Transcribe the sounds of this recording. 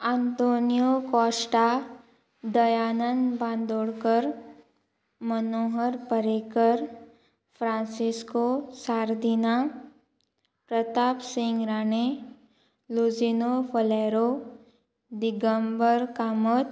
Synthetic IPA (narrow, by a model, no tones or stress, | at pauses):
ãnt̪oːnijokɔːsʈa | d̪əjaːnənbãːnd̪oːɽkəɾ | mənoːɦəɾpəɾekəɾ | pʰɾãːnsɪskosaːɾd̪ina | pɾət̪aːpsɪ̃ŋɡɾaːne | luzinopʰəlɛːɾo | d̪ɪɡəmbəɾkamət̪